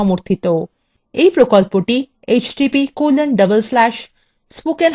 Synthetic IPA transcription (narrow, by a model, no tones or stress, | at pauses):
ɔmuɾt̪ʰit̪o | ejpɾokɔlpoʈi | et͡ʃʈipikoləɳɖəbəlslæʃ | spoken